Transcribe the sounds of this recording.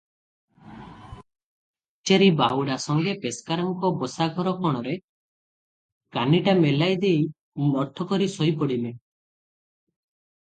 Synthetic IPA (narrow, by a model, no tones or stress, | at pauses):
t͡ʃeɾibawɽasɔŋɡepeskaɾɔŋkɔbɔsaɡʱɔɾɔkɔɽ̃ɔɾe | kaniʈamelajd̪ej | mɔɾt̪ʰɔkɔɾisɔjpɔɽile